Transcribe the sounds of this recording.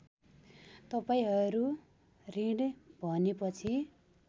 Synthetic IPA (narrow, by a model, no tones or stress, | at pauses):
t̪ʌpaĩɦʌɾu | riɽbʱʌnepʌt͡sʰi